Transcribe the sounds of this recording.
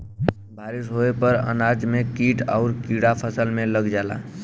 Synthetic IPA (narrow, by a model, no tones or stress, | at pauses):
bʱaɾisɦoepəɾə̰nad͡ʒmekiʈaʊɾkiɽapʰəsəlmeləɡd͡ʒala̰